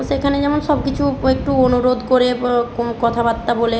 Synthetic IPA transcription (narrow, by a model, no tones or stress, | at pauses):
ʃekʰaned͡ʑɛmonʃɔb̚kit͡ɕʰuek̚ʈuonuɾod̪koɾekɔt̪ʰabat̪ːabole